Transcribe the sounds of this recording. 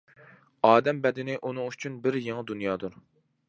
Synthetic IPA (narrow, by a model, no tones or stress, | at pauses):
ɑːd̪ɛmbɛd̪ɪnɪʔunɨŋyt͡ʃʰynbɪɾjeŋɨd̪unjɑːd̪uɾ